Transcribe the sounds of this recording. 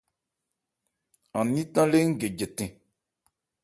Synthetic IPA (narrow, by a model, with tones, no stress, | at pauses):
ã˨nĩ˦t̪ã˦le˦ŋ̩˦ɡe˨d͡ʒe˨t̪ɛ̃˨